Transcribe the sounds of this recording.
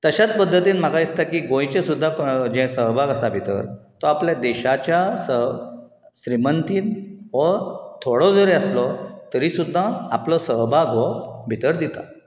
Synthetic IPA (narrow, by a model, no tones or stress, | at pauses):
t̪əɕat͡spəd̪ːət̪iːnm̤akaist̪akiːɡõjt͡ɕesud̪ʱːakd͡ʑɛ̃səɦbʱaɡəsabʱit̪ə̰ɾt̪ɔapljad̪ɛɕat͡ɕjasə | ɕɾimənt̪iːnʋɔt̪ʰoɽɔd͡zəɾeəslɔt̪əɾiːsud̪ʱːãaplɔsəɦbʱaɡʱɔbʱit̪əɾd̪it̪a̰